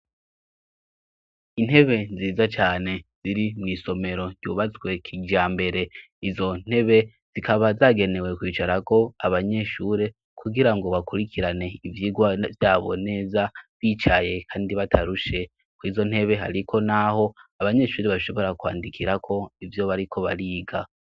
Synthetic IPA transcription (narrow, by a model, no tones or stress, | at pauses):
in̥he̞βe̞ziːzat͡ʃaːne̞z̥iɾimŋiːso̞me̞ɾo̞ɟuːβat͡swe̞kʰiɟaːmbe̞ɾe̞ | izo̞n̥he̞βe̞ | z̥ikʰaβazaɡe̞ne̞we̞kwiːt͡ʃaɾako̞aβaɲe̞ʃuːɾe̞ | kʰuɡiɾaŋɡo̞βakuɾikʰiɾane̞ivjiɡwavjaːβo̞̰ne̞ːzaβiːt͡ʃaje̞kʰaːndiβatʰaɾuʃe̞ | kwiːzo̞n̥he̞βe̞ɦa̰ɾikʰo̞naho̞aβaɲe̞ʃuːɾe̞βaʃo̞βo̞ɾakwa̰ːndikʰiɾakʰo̞ivjo̞βaɾikʰo̞βa̰ɾiːɡa